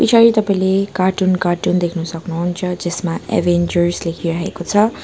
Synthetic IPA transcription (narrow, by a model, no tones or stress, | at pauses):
pit͡ʃʰaɾit̪ʌpaĩlekaʈunkaʈund̪ekʰnusʌknuɦunt͡sʰʌd͡zesmaḛbʱend͡zʌrslekʰiɾʌɦekot͡sʰʌ